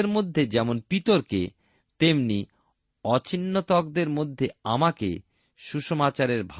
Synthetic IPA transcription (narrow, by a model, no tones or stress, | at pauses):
ɾmod̪ʱːed͡ʑɛmonpit̪oɾkḛ | t̪emni | ɔt͡ɕʰinːot̪ɔkd̪eɾmod̪ʱːeamakḛ | ʃuʃomat͡ɕaɾeɾbʱ